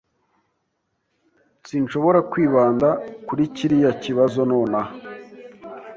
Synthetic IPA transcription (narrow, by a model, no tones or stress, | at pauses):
sinʃo̞βo̞ɾakwiːβaːndakuɾiciɾijaciβazonoːna